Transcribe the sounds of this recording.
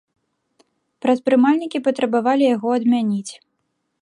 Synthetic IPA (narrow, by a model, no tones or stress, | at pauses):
pɾɐspɾɨmalʲnʲikʲipɐt̪ɾɐbavalʲijaɣɔɐd̪mʲanʲit͡sʲ